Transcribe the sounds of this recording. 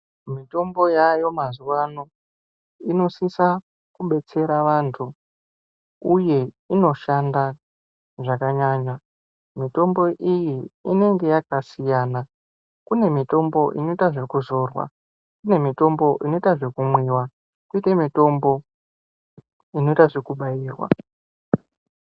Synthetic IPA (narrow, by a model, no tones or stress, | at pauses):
mito̞mbo̞jajo̞mazuʋano̞ | ino̞sisa | kuɓe̞t͡se̞ɾaʋantʰu | uje̞ | ino̞ʃanda | ʐakaɲaɲa | mito̞mbo̞ʔijiine̞ŋɡe̞jakasijaːna | kune̞mito̞mbo̞ʔino̞itaʐekuzo̞ːrwa̰ | kune̞mito̞mbo̞ʔino̞itaʐekumwiːwa | kuitamito̞mbo̞ | ino̞itaʐekuɓajiːrwa̰